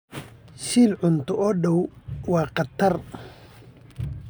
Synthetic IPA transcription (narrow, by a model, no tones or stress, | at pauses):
ʃiːlʕʊnt̪ʰʊʔɔːɖɔwwɑːqɑt̪ʰɐr